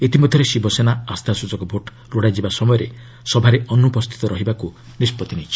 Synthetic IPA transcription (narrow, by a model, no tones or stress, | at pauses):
et̪imɔd̪ʱjɔɾesibɔsenaast̪ʰasud͡ʒɔkɔbʱoʈ | ɾuɽajd͡ʒibasɔmɔjɔɾe | sɔbʱaɾeʔɔnupɔst̪ʰi̥t̪ɔɾɔɦibaku | nispɔt̪init͡ʃʰi̥